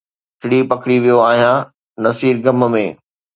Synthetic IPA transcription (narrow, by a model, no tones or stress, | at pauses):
ʈʰɪɽipɐkʰɽiʋijoaːɦijã | nɐsiːɾɡɐmmẽː